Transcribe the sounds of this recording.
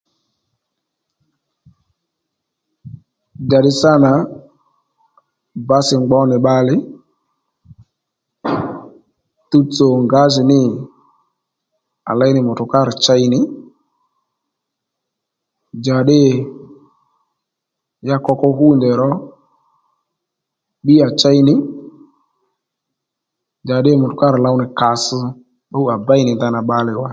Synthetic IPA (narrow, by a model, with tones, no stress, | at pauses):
d͡ʒa˨ɗɪ˦sa˦na˨˦ | ba˦sɪ˨ŋ͡mɡ͡bɔ˨˦nɪ˨ɓa˧lɪ˦ | tu˦t͡so˨ŋɡa˨˦zɪ˨nɪ˦ | a̰˨la˨˦jnɪ˨mʊ˨tʊ˨ka˦ɾɪ˨t͡ʃa˦i˧nɪ˦ | d͡ʒa˨ɗɪ˦˨ | ja˦kɔ˧kɔ˧ɦu˦˨ndɛ˨ɾɔ˦ | ɓi˦a˨t͡ʃa˦i˦nɪ˨˦ | d͡ʒa˨ɗɪ˦mʊ˨tʊ˨ka˦ɾɪ˨la˧wnɪ˨ka˨sʊ˦ | ɓa˦u˦a˨ba˦ɪ˦nɪ˨nda˧na˨ɓa˧lɪ˨wa˦